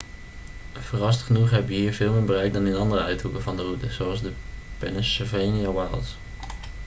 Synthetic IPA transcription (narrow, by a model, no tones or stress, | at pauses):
v̥ərɑstχənuχɦɛbəʋəɦiːɹvɪːlˠmɪːɹbərɛjk̚dɑnɪnɑndərəœɥtukəvɑndərutəzoɑlˠzdəpɛnəsəvejniawajlˠs